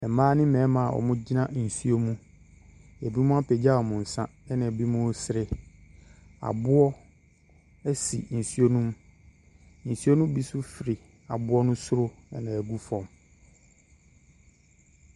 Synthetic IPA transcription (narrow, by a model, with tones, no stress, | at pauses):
ɛ˨maː˦nɪ̃˦mɛ̃˨˦mã˨ʔɔ̰˨mʊ̃˦d͡ʑi˦nã˦n̩˨su˦o˦mũ˦ | ɛ˨bi˦mũ˦a˦pʰɛ˨d͡ʑa˦ɔ˨mʊ̃˨n̩˨sã˦ɛ˦nã˨ɛ˨bi˦mũ˦sɪ˨˦ɾɪ˨ | a̰˨bʊ˦ɔ˦ | ɛ˦sḭ˨n̩˨su˦o˦nũ˦m | n̩˨su˦o˦nũ˦bi˦sʊ˦fɪ˨ɾɪ˨ | a˨bʊ˦ɔ˦nʊ̃˦sʊ˦ɾʊ˦ɛ˦nã˨æ˨ɡu˦fɔ̃˨m